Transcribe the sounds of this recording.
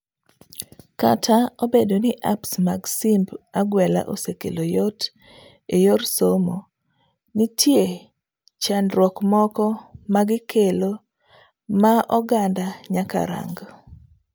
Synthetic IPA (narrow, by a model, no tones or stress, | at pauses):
ka̰tʰaobedonɪʔa̰psmaɡsimbaɡwɛla̰ʔosekḛlojɔt | ejorsomo | nɪtʰje | t͡ʃanɾwɔkmɔkɔmaɡɪkʰelo | maʔɔɡandaɲaka̰ɾa̰ŋɡ